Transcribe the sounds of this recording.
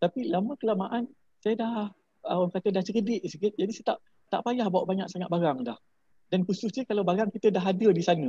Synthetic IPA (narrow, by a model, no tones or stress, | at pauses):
t̪apilamə̃kəlamaʔan | sajədah | əwaŋkat̪ədaht͡ʃəkədɪʔsəɡɪt̪̚d͡ʒadisat̪aʔ | t̪a̰ʔpajahbawaʔbaɲak̚saŋat̪̚baɾaŋdah | dankusʊsɲəkalawbaɾaŋkit̪ədaɦadədisanə̃